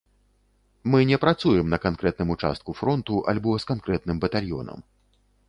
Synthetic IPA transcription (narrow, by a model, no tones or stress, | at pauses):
mɨnʲɛpɾat̪sujɛmnɐkankɾɛt̪nɨmut͡ʂa̰st̪̚kufɾɔnt̪uʔa̰lʲbɔskankɾɛt̪̚nɨmbɐt̪alʲjɔ̰nɐ̰m